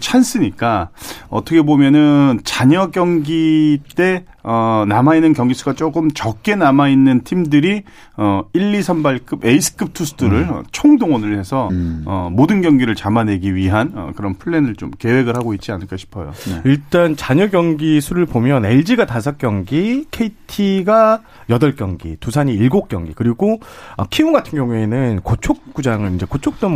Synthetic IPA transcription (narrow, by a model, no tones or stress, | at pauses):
t͡ɕʰans͈ʰɯɲik͈aʌ̰t͈ʰʌkʰe̞bomjʌnɯnt͡ɕaɲʌkjʌŋɡit͈e̞ | ʌnamainːɯnkjʌŋɡis͈ʰuɡat͡ɕ͈oɡɯmt͡ɕʌk͈e̞namainːɯntʰimdɯɾi | ʌiɭːisʰʌnbaɭk͈ʰɯbe̞isʰɯ̥kʰɯp̚tʰusʰɯ̥tdʰuɾɯɭ̰t͡ɕʰoŋdoŋʌnɯɭhe̞sʰʌʌ̰modɯnɡjʌŋɡiɾɯɭt͡ɕamane̞ɡiɥiɦanʌ̰kɯɾʌnpʰuɭːe̞nɯɭt͡ɕomke̞we̞ɡɯɭɦaɡoit̚t͡ɕ͈ianɯɭk͈ʌɕʰi̥pʰʌjo̰iɭt͈ant͡ɕaɲʌɡjʌŋɡisʰuɾɯɭpomjʌne̞ɭd͡ʑiɡatasʰʌk͈jʌŋɡikʰe̞itʰiɡa | jʌdʌɭk͈jʌŋɡḭtusʰaɲiːɭɡok͈̚jʌŋɡikɯɾiɡoʌkʰiuɡatʰɯnɡjʌŋue̞nɯnkot͡ɕʰok̚k͈ud͡ʑaŋɯnind͡ʑe̞kot͡ɕʰok̚t͈om